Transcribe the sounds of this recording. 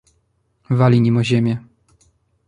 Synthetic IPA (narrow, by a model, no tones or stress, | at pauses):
valʲimʲimɔʑɛmʲjɛ